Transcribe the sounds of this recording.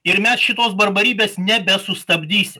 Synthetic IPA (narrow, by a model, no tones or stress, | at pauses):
ɪɾmʲɛsʃʲɪt̪oːsbɐɾbɐɾʲiːbʲeːsnʲɛbʲɛsʊst̪ɐbʲd̪ʲiːsʲɪm